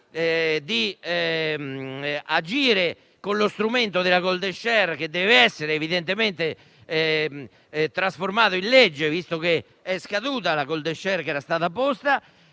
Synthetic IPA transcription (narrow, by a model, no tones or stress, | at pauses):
ɛd̪iɛ | ad͡ʒiːɾe | konlost̪ɾument̪oðelaɣold̪eʃːɛrk̟ed̪ɛːveɛsːeɾeːviðɛnt̪ement̪e | t̪ɾasfoɾmaːðoinled͡ʒːevist̪oke | ɛskaðuːt̪alaɣold̪eʃːɛrkɛːɾast̪aːðapost̪a